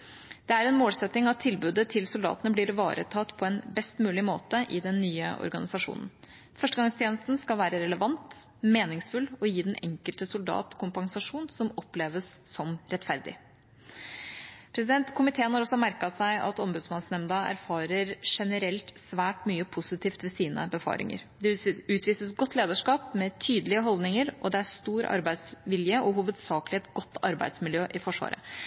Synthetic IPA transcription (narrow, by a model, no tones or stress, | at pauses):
d̪̥ɛæɾɛnmoːlsɛt̪nɪŋɑt̪ʰːɪlbʉːd̪ət̪ʰɪlsʊld̪ɑ̰ːt̪ənəblɪɾʋɑ̰ːɾʔə̰t̪ʰɑt̪ːpʰɔɛnbɛst̪mʉːlɪmo̰ːt̪əʔɪd̪ɛnːyːə̰ʔɔ̰ɾɡɑ̰nɪsɑʂṵːnn̩ | fœʂʈəɡɑŋst̪ʰjeːnəst̪n̩skɑlʋæːɾəɾɛləʋɑnt̪ | meːnɪŋsfʉlɔjiːd̪ɛnʔɛŋkəlt̪əsʊld̪ɑ̰ːt̪kʰʊmpɑŋsɑʂuːnsɔmɔpleːʋəsːɔmɾɛt̪fæɾd̪ɪ̰ | pʰɾɛsɪd̪ɛnt̪kʰʊmɪt̪ʰeːənhɑɾɔsːɔmæɾkɑsæɪʔɑ̰t̪ɔmbʉːd̪smɑnsnɛmd̪ɑæ̰ɾfɑːɾəɾʂɛnəɾɛlt̪sʋæːʈmyːəpʰʊsɪt̪ʰiːft̪ʋɛsiːnə̰bəfɑ̰ːɾʔɪ̰ŋə̰ɾd̪ɛʉːt̪ʋiːsəsɡɔt̪ʰːleːd̪əʂkɑːpmɛt̪ʰyːd̪əlɪəɦɔld̪nɪŋəɾʔɔd̪ɛæɾst̪uːɾɑ̰ɾbæɪsʋɪljəʔɔɦuːʋəd̪sɑːkəlɪɛt̪ɡɔt̪ːɑɾbæ̰ɪd̪smɪljøːʔɪfɔʂʋɑ̰ːɾə̰